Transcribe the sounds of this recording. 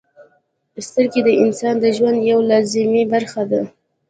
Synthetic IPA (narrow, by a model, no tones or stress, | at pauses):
pəst̪əɾked̪əɪnsɑnd̪əʒwand̪jawlɑzɪmibaɾxad̪a